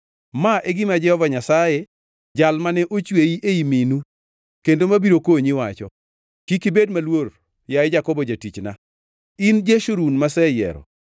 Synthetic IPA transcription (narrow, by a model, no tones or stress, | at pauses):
maʔɛɡɪmad͡ʒɛhɔvaɲasajɛ | d͡ʒalmanɛʔot͡ʃweiʔeiminu | kendomabiɾokoɲɪwat͡ʃɔ̰ | kikibedmalwor | jaɪd͡ʒakɔbɔd͡ʒatit͡ʃna | ind͡ʒeʃoɾunmasɛjɛ̰ɾɔ̰